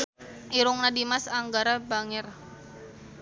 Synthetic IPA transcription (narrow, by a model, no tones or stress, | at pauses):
iɾʊŋnadimasaŋɡaɾabaŋɪr